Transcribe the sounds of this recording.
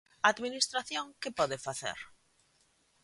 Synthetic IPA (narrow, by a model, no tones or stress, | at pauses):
aaðminist̪ɾaθjõŋkɪpɔðɪfaθḛɾ